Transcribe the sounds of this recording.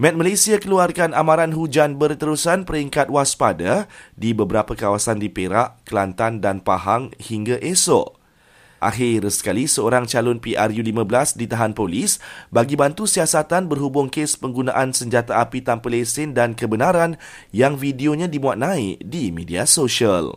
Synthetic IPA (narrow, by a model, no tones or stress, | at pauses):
mɛ̃t̪̚malasiakəluarkanamãɾanɦud͡ʒanbərt̪əɾusanpəɾiŋkat̪̚waspadadibəbəɾapəkawasandipeɾaʔkəlant̪andanpa̰ɦaŋhiŋɡaʔeso̰ʔ | ʔa̰xɪrsə̥kalisəoɾaŋt͡ʃalʊnpiʔarjulimə̃bəlasdit̪aɦanpolisbaɡibant̪usiasat̪anbərɦubʊŋkespəŋɡunã̰ʔansəɲd͡ʒat̪aapit̪ampəlesɪndankəbənaɾan | jaŋfidioɲãdimũat̪̚nãɪʔdimediasoʃial